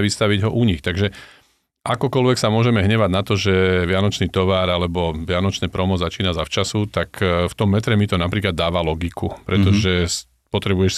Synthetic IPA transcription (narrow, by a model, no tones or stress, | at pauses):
ʋist̪aʋiɟɦɔʔuɲixt̪aɡʒɛ | ʔakɔkɔlʋɛksamʊɔʒɛmɛɦɲɛʋaɟnat̪ɔʒɛʋɪanɔt͡ʃniːt̪ɔʋaːɾalɛbɔʋɪanɔt͡ʃnɛːpɾɔmɔzat͡ʃiːnazaft͡ʃasut̪akft̪ɔmːɛt̪ɾɛmit̪ɔnapɾiːklad̪ːaːʋalɔɡikʰupɾɛt̪ɔʒɛs | pɔt̪ɾɛbujɛʃ